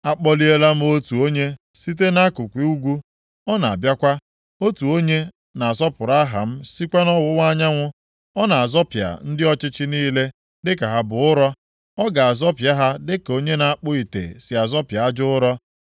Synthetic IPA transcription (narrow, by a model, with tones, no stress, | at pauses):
a˦k͡pɔ˦li˦e˦la˦m̩˦o˦tu˨o˦ɲe˦ | si˦t̬e˦na˦kʊ˨kʷi˨u˦ɡʷu˦ | ɔ˦na˨a˨bja˦kʷa˦ | o˦tu˨o˦ɲe˦ | na˨a˨zɔ˦pʊ˨ɾa˦a˦ɦa˨m̩˦si˦kʷa˦nɔ˦wʊ˦ŋʷ˦a˦ɲa˦ŋʷʊ˦ | ɔ˦na˨a˨zɔ˦pja̰˨n̩˦dɪ˦ɔ˦t͡ʃɪ˦t͡ʃɪ˦niː˦le˦ | dɪ˦ka˨ɦa˦bʊ˨ʊ˦ɾɔ˦ | ɔ˦ɡa˨a˨zɔ˦pja˦ɦa˦dɪ˦ko˦ɲe˦na˨a˦k͡pʊ˦i˨tḛ˨sɪ˨a˨zɔ˦pja˨a˦d͡ʒʊ˦ʊ˦ɾɔ˦